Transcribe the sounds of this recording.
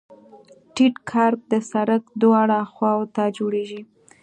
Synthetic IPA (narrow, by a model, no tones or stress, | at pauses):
ʈiʈkʰɑɾt̪̚d̪əsaɾək̚d̪wɑɽaxwɑwt̪ad͡ʒoɽeʒi